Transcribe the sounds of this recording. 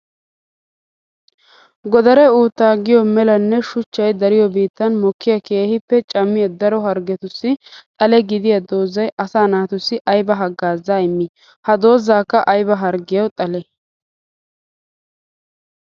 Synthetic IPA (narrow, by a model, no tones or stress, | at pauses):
ɡɔd̪ɐɾɛuːt̪ːaːɡɪjɔmɛlɐnːɛʃʊt͡ʃːɐjd̪ɐɾɪjɔbiːt̪ːɐnmɔkːɪjɐke̞ːhɪpːɛt͡ʃʼɐmːɪjɐd̪ɐɾɔɦɐɾɡɛt̪ʊsːɪt̪ʼɐlɛɡɪd̪ɪjɐd̪oːzːɐjʔɐsaːnaːt̪ʊsːɪʔɐjbɐɦɐɡːaːzːaːɪmːɪ | hɐd̪o̞ːzːaːkːɐʔɐjbɐɦɐɾɡɪjɐwt̪ʼɐlɛ